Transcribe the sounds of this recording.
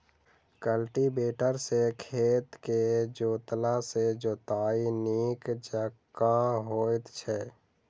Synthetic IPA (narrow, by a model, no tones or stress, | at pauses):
kəlʈibeːʈəɾsekʰeːt̪ked͡ʒoːt̪lased͡ʒoːt̪aːiniːkd͡ʒəkːãɦoːt̪t͡ʃʰɛː